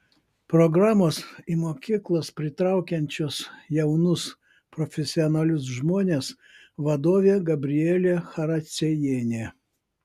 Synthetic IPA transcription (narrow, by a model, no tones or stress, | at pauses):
pɾɔɡɾɑːmoːsimoːkʲiːklˠoːspʲɾʲɪt̪ɾɑˑʊkʲɛnʲt͡ʃʲoːsjɛʊnʊs | pɾɔfʲɛsʲɪɔnɑlʲʊs̬ʒmoːnʲeːs | ʋɐd̪oːʋʲeːɡɐbʲɾʲɪɛːlʲeːxɐɾɐsʲɛjeːnʲeː